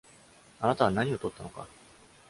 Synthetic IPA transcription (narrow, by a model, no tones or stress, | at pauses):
anat̪aβ̞anaɲ̟io̞t̪o̞t̪ːanoka̰